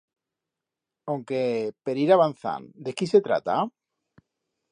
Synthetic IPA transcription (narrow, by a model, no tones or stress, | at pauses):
owŋkepeɾiɾaβan̟θa̰nd̪e̞kise̞t̪ɾa̰t̪a